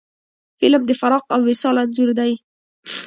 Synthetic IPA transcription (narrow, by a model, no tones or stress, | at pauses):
fɪlmd̪əfaɾɑqawːɪsɑlanzuɾd̪aj